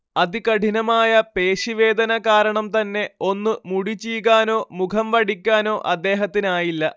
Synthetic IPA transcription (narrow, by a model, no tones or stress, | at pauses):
ɐðikɐʈʰinɐmaːjɐpe̞ːɕiʋe̞ːd̪ɐnɐkaːɾɐɳɐmt̪ɐnːe̞o̞nːɨmuɽit͡ɕːijɣaːno̞ːmukʰɐmʋɐɽikʲːaːno̞ːʔɐd̪ːe̞ːɦɐt̪ːinaːjilːɐ